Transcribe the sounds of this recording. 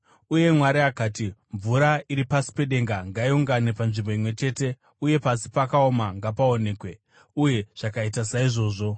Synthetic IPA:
uje̞mwaɾiakaːtiɱvuɾaiɾipasi̥pe̞ɗe̞ŋɡaŋɡaiuŋɡanepanʐimbo̞imwe̞t͡ʃe̞ːte̞ | uje̞pasi̥pakao̞maŋɡapao̞ne̞ːkwe̞ | uje̞ʐ̥akaitasaiʐo̞ːʐo̞

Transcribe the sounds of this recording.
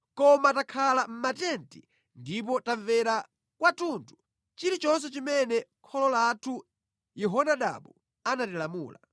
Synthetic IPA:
kɔmatakʰalam̩matɛnti | ndip̬ɔtavɛɾa | kwatuntʰu | t͡ʃiɾit͡ʃɔns̬ɛt͡ʃimɛnɛkʰɔlɔlatʰu | jɛɦɔnaɗa̰ɓu | anatilamṵːla̰

